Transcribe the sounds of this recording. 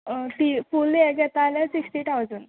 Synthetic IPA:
t̪ifulekɛt̪alɛ̃siksʈit̪ʰawd͡zən

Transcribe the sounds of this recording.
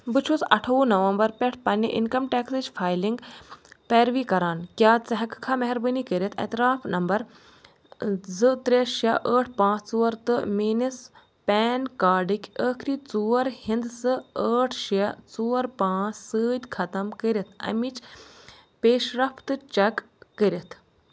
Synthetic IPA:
bɨt͡ʃʰusɐʈʰɐʋuːnɐʋɐmbɐɾpʲɛʈʰpɐnːjɐ̰ʔḭnkɐmʈeːksɨt͡ʃfʰaːjliŋɡpeːɾʋiːkɐɾaːnkʲjaːt͡sɐɦɐkkʰamɐɦɐɾbɨnikəɾʲɐt̪ʰɐ̰t̪ɾaːfʰnɐmbɐɾ | zɨt̪ɾeʃɐʔəːʈʰpãːt͡sʰt͡suːɐɾt̪ɨmiːnɐs | pɛːnkaːɖikʲəːkʰɾiːt͡suːɐɾhind̪sɨəːʈʰʃɐt͡suːɐɾpãːt͡ssɨːd̪ʲkʰɐt̪ɐmkəɾʲit̪ʰɐ̰mit͡ʃ | peːʃɾɐpt̪ɨt͡ʃɐkː | əɾʲit̪ʰ

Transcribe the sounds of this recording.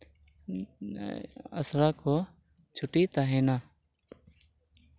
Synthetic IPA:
ə̰sɾaːkoː | t͡ʃʰʊʈiːt̪aɦeːnaː

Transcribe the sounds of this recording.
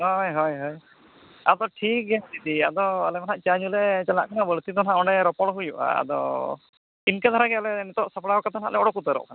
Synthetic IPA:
ɦɔjɦɔjɦɔj | ad̪ɔʈʰik̚ɡɛt̪it̪iad̪ɔalɛmanaʔt͡ʃaɲulɛt͡ʃala̰ʔkʰanabəɭt̪id̪ɔnaʔɔɳɖɛɾɔpɔɽɦujuʔa̰a̰d̪ɔ̰ | inkad̪ʱaɾaɡɛalɛnɛt̪ɔʔsapɽaɔkat̪ʰana̰ʔlɛɔɽɔkut̪əɾɔ̰ʔkʰana

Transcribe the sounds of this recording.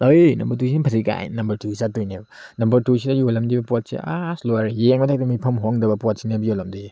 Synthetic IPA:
ojnɐmbɐɾtusinipʰɐsika̰j̰nnɐmbɐɾtʰuisatojneb | nɐmbɐɾtusidajolɐmdibɐpot̚sḛasloaɾjeŋmatʰak̚tɐmipʰɐmɦoŋdɐbɐpɔt̚sinibjolɐmdij

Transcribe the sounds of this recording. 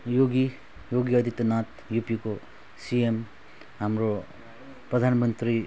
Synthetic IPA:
joɡi | joɡiʌd̪ʱit̪nat̪ | jupiko | siem | ɦamɾo | pɾʌd̪ʱanmʌnt̪ɾi

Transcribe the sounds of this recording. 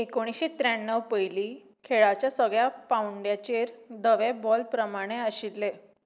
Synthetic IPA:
ekõiɕet̪ɾaɳːəʋpəjliː | kʰeɭat͡ɕjasəɡɭjapawɳɖjat͡ɕeɾd̪əʋebɔlpɾəmaɽ̃eəɕit̪le

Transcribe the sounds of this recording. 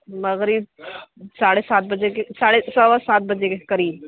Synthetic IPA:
mɐɣɾiːb̚saːɽesaːt̪̚bɐd͡ʒekesaːɽesɐwasaːt̪̚bɐd͡ʒekekɐɾiːb̚

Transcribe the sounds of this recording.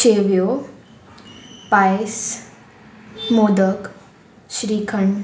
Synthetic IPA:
eʋjo | pajs | mod̪ək | ɕɾikʰəɳ

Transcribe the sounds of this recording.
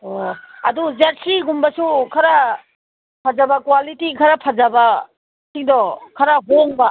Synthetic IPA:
ɔɐduzaɾsiɡumbasukʰaɾa | pʰazabakwalitikʰɐɾapʰazaba | siŋdɔkʰɐɾaɦoŋba

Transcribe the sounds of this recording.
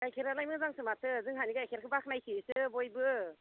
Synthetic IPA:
ɡajkʰiɾalajmɯŋzaŋsɯmatʰɯzɯŋɦaniɡajkʰeɾkʰɯbakʰnajsʰisɯbojbɯ

